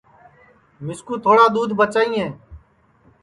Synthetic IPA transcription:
mɪskuːt̪ʰoːɽaːd̪uːd̪ʱbət͡ʃaːiːɦɛ̃ː

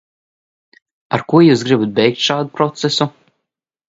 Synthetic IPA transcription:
aɾkuɔjuːsɡɾɨbut̪̚bɛjk̚t̪ʲʃaːd̪upɾɔt̪sɛsu

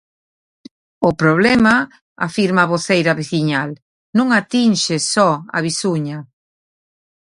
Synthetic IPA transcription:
ʊpɾoβlɛma | a̰fiɾmaβoθejɾɐβeθiɲal | nũŋat̪inʃesɔa̰βisuɲɐ

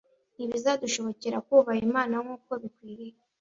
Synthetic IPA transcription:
niβizaduʃo̞βo̞ceɾakwuːβajimaːnaŋuːko̞βikwiːɾije

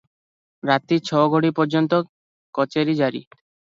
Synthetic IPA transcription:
ɾat̪it͡ɕʰɔɡoɽipɔɾd͡ʑɔnt̪ɔ | kɔt͡ʃeɾid͡ʑaɾḭ

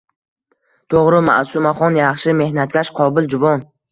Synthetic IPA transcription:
t̪ʰoʁɾɪma̰ʔsumaχɒnjɑχʃɪme̞hnat̪̚kʲaʃqʰɒbɪld͡ʒʊvɒn

